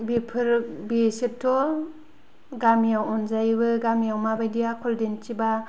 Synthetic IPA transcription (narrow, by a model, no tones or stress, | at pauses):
bipʰɯɾbisitʰɔ | ɡamijawɔnzajbɯɡamijawmabajdijakʰɔldent͡ʃiba